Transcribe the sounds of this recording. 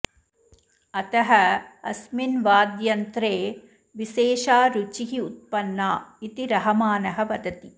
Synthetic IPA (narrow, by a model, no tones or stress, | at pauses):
ɐt̪ɐɦɐɐsminʋaːd̪jɐnt̪ɾeː | ʋiʃeːʃaːɾut͡ʃiɦiut̪̚pɐnːaːit̪iɾɐɦɐmaːnɐɦɐʋɐd̪ɐt̪i